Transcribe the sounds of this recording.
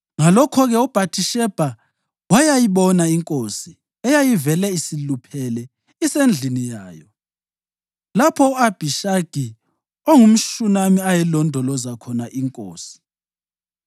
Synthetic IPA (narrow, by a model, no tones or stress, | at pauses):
ŋalɔkʰɔɣɛɔb̥ʱatʰiʃɛb̥ʱa | wajajiβɔnaiŋkʼosi | ɛjajivɛlɛisilupʰɛlɛ | isend͡ɮʱinija̰ːjɔ | lapʰɔuab̥ʱiʃaɡ̥ʱi | oŋum̩ʃunamiajɛlɔndʱɔlɔzakʰɔnaʔiŋkʼo̰ːsi̥